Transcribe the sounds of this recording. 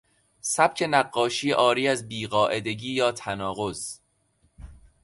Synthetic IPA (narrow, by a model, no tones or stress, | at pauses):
sæb̥cʰe̞næɢːɒːʃiːʔɒːɾiːæzbiːɢɒːʔe̞d̪e̞ɟiːjɒːt̪ʰænɒːɣo̞z